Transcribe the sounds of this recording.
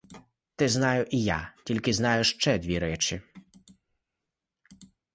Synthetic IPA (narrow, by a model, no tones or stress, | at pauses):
t̪ɪznɑjʊʔija̰tʲilʲkɪznɑjʊʃt͡ʃɛd̪ʲʋʲiɾɛt͡ʃi